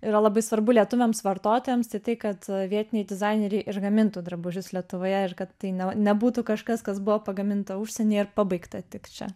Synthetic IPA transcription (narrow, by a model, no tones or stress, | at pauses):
iːɾɐlˠɐbɐɪsʋɐɾbʊlʲiɛt̪ʊʋʲɛmsʋɐrt̪oːt̪oːjɛmst̪ɐɪt̪ɐɪkɐt̪ʋʲiɛt̪ʲɪnʲɛɪdʲɪzɑɪnʲɛɾʲɛɪʔɪɾɡɐmʲɪnt̪uːd̪ɾɐboʒʲʊslʲiɛt̪ʊʋoːjɛɪrkɐt̪ːɐɪnʲɛnʲɛbuːt̪ukɐʃkɐskɐsbʊʋopɐɡɐmʲɪnt̪ɐuʃʲsʲɛnʲeːɪɾpɑbɐɪkt̪ɐt̪ʲɪkt͡ʃʲɛ̰